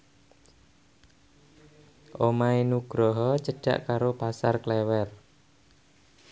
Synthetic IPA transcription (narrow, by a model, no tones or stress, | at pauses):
ʔomaenuɡ̥ɾɔɦɔt͡ʃəɖ̥a̤̰ʔkaɾopasarklɛwɛr